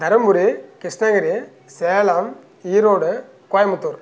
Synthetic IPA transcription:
d̪ɐɾɐmbuɾikɪʂʈnɐɡɐɾi | seːlaːm | iːɾoːɽɯ | kaːjɐmɐt̪ːuːɾ

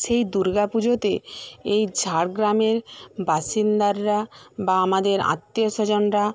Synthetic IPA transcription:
ʃejd̪uɾɡapud͡ʑot̪eejd͡ʑʱaɽɡɾameɾbaʃind̪aɾːabaamad̪eɾa̰t̪ːioʃɔd͡ʑonɾa

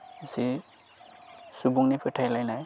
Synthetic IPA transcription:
isi | subuŋnipʰɛʈʰajlajnaj

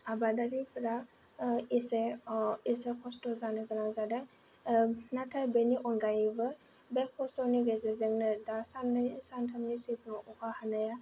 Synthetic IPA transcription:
abadaɾipʰɾa | iseisekʰɔstɔzanɯɡɯnazadaŋ | natʰajbeniʔɔŋɡajbɯ | bekʰɔsɔniɡezezeŋnɯdasansantʰamnisit̚nɔʔɔkʰahanaja

